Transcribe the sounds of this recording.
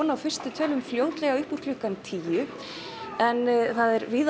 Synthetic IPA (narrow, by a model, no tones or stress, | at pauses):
nawfɪr̥st̪ɪt̪ʰœːlʏmfljoːwt̪lɛɣaʏhpur̥klʏhkant̪ʰiːjʏ | ɛnθaðɛɾvɪːð